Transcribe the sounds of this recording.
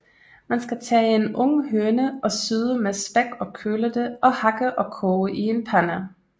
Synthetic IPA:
mænsɡ̥æt͡sʰɛ̰ːenɔ̽ŋəɦøːnəɒ̽syðˠəmesb̥æɡ̥ɒ̽kʰøːləd̥eʔɒ̽hɑ̈ɡ̥əʔɒ̽kʰɔːʔie̝npʰænæ

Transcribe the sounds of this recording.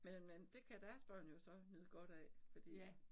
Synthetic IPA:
menmend̥e̝kʰæd̥æɐsb̥ɶɐ̰njo̝sɒ̽nyð̩ˠɡ̥ɒ̽ɾ̥ɛ̰ːfɒ̽d̥ḭː

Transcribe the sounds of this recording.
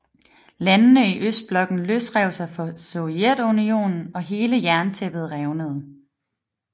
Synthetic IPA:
lænːəiʔøsd̥̚b̥lɒ̽ɡ̥n̩løsd̥ʁɛʊsɑ̈ɪfɒ̽so̝ed̥unio̝̰ːnn̩ɒ̽ɦe̝ːləjæɐnt͡sʰeb̥ð̞̩ˠʁɛʊnəð̞ˠ

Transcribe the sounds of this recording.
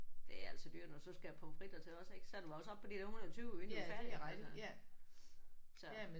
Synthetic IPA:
d̥e̝æl̰səd̥y̰ːɐnosɒ̽sɡ̥æjæpʰɒfʁid̥ɐt͡sʰe̝lɒ̽seɡ̥sɒæɐd̥uɑ̈osɒ̥pʰːɒ̥̽id̥e̝ɐhunðˠt͡sʰyːʊenfæ̥ | sɒ̽

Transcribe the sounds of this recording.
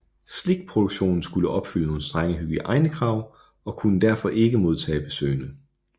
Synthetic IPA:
sle̝ɡ̥̚pʰʁod̥uɡ̥ɕo̝̰ːnn̩sɡ̥uləʔɒ̽b̥fyləno̝ːn̩sd̥ʁɑŋəɦyɡ̥iʔɑ̈ɪnəkʰʁɑ̈ʊ̰ | ɒ̽kʰunəd̥æɐfɒ̽ʔe̝ɡ̥əmo̝ð̞ˠt͡sʰɛ̰ːb̥e̝sø̰ɪnə

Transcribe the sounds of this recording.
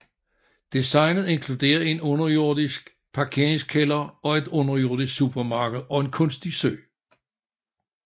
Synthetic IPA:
d̥isɑ̈ɪnð̩ˠe̝nkʰlud̥e̝̰ːɐe̝nɔ̽nɐjo̝ɐdˠisɡ̥ | pʰɑ̈kʰe̝ɐ̰e̝ŋskʰelɐɒ̽e̝d̥ɔ̽nɐjo̝ɐ̰dˠisɡ̥sub̥ɐmɑ̈ːɡ̥əð̩ˠɒ̽e̝nkʰɔ̽nsd̥isø̰ː

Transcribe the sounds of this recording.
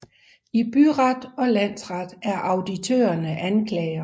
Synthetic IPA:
ib̥yʁɑd̥ɒ̽læn̰sʁɑd̥æɐʔɑ̈ʊd̥it͡sʰø̰ːɐnəʔænkʰlɛːɪɐ

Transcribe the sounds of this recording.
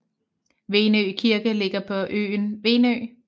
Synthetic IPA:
ʋe̝ːnøkʰiɐɡ̥əle̝ɡ̥ɐpʰɒ̽ʔø̰ːnʋe̝ːnø̰ː

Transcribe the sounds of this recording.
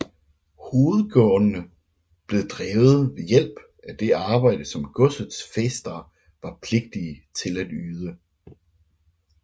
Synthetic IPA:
ho̝ːð̩ˠɡ̥ɔə | b̥le̝ðˠd̥ʁɛːʊð̞̩ˠʋe̝jel̰b̥ | æd̥e̝ɑ̈ːb̥ɑ̈ɪ̰d̥əsɒ̽mɡ̥ɔ̽sð̩ˠsfesd̥ɐ | ʋɑ̈pʰle̝ɡ̥̚d̥iət͡sʰe̝læd̥yːð̞ˠə

